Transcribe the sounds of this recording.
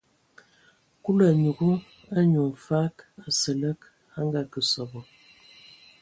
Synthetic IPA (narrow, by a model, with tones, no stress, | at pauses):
ku˦la˨ɲu˨ɡu˦ | a˦ɲu˨n˨fa˦ka˨sə˨lə˦k | a˦ŋɡa˦kə˨sɔ˨bɔ˨